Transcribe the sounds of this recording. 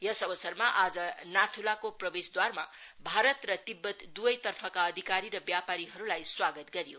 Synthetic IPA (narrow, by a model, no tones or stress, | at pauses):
jʌsʌbʌsʌrmaʔad͡zʌnat̪ʰulakoprʌbesd̪warma̰bʱaɾʌt̪rʌt̪ibːʌt̪d̪uʌjt̪ʌrpʰʌkaʌd̪ʱikaɾiɾʌbjapaɾiɦʌɾulajswaɡʌt̪ɡʌɾijo